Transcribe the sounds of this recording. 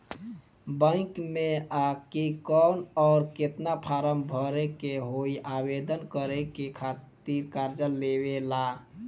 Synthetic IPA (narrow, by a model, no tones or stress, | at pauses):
bə̃ɪkmeakikɔnɔːɾket̪napʰaɾəmbʱəɾekeɦoiʔabed̪ənkəɾekekʰat̪iɾkaɾd͡ʒəlːewela